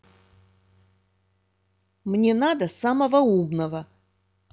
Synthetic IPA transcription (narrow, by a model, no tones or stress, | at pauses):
mnʲenad̪ɐsamɐvɐumnɐvɐ